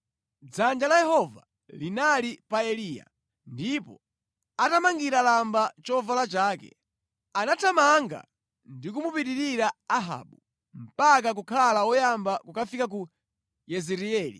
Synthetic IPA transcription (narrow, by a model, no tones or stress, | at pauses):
d͡zand͡ʒalajɛhɔva̰ | linalipaɛliːja̰ | ndipɔ | atamaŋɡiɾalambat͡ʃɔvalat͡ʃaːkɛ̰ | anatʰamaŋɡa̰ | ndik̬umupiɗiɾiɾaaɦa̰ɓu | m̩pak̬ak̬ukʰalawɔjambakukafikak̬u | jɛzɛɾiɛːlḭ